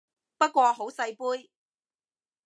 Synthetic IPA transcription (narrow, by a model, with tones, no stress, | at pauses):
pɐ˥t̚kʷɔː˧ɦo˨˥wsɐ˧jpuː˥j